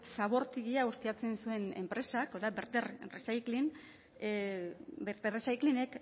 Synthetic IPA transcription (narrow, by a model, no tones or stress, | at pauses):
saβ̞o̞ɾt̪iɣiaust̪iat͡se̞nsue̞ne̞̰mpɾe̞sakoðabeɾt̪erresajklin | beɾt̪eresajkline̞k